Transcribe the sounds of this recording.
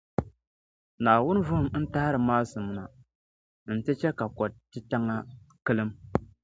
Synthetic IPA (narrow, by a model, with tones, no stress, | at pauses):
naː˨wʊ˦n˦vʊ˦hʊ˨mn̩˦ta˦ha˦ɾɨ˨maː˦sɨ˨m˦na˨ | n̩˨tɨ˦t͡ʃɛ˦ka˨kɔ˨tɨ˦ta˦ŋa˦ | kɨ˦lɨ˦m